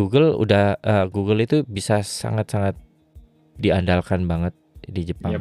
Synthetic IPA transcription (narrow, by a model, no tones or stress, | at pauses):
uɡəlṵdahəɡuɡəlit̪ubisasa̰ŋat̪̚saŋat̪̚ | diandalkanbaŋət̪̚did͡ʒəpa